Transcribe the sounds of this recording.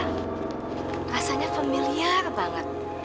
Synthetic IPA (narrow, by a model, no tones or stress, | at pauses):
rasaɲafamiliarbaŋət̪̚